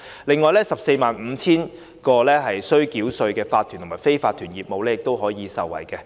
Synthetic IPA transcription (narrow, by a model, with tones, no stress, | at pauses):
lɪ˨ŋːɔː˨jlɛː˥sɐ˨p̚se˧jmaː˨nm̩ː˨˧t͡sʰiː˥n | kɔː˧lɛː˥ɦɐ˨jsɵ˥ɥkiː˨˥wsɵ˧ɥkɛː˧faː˧t̪ʰy˨˩t̪ʰmaː˨˩fe˥jfaː˧t̪ʰːyː˨˩njiː˨p̚mo˨˧wlɛː˥jɪ˨kt̪o˥wɦɔː˨˥jiː˨˧sɐ˨wːɐ̰˨˩jkɛː˧